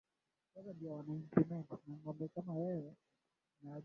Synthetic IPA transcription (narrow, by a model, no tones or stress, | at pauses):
kakandiawanaɲ̩t͡ʃimɛŋunaŋɡɔmbɛkamajɛjɛ | naa